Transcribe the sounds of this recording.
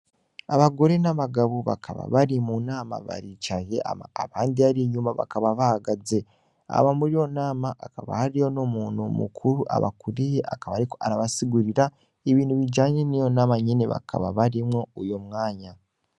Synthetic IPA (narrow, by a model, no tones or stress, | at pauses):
aβaɡo̞ɾe̞naβaɡaβuβa̰kʰaβa̰βaɾimunaːma̰βa̰ɾit͡ʃajḛʔa̰maaβaːndiaɾiɲumaβa̰kaβaβahaɡaze̞ | a̰βamuɾijo̞naːmaʔːkaβa̰haɾijo̞nomuːn̤umṵkʰuɾuʔa̰βa̰kuɾijea̰kaβaːɾikoʔaɾaβasiɡuɾiɾa | eβiːnhuβiɟaːɲe̞nijo̞naːmaɲineβa̰kʰa̰βa̰βaɾimŋo̞ujo̞mŋaːɲa